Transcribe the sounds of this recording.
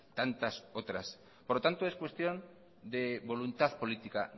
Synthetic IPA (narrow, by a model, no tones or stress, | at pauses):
t̪ant̪asot̪ɾas | poɾlot̪ant̪oeskwe̞st̪jo̞n | d̪eβo̞lunt̪aðpo̞lit̪ika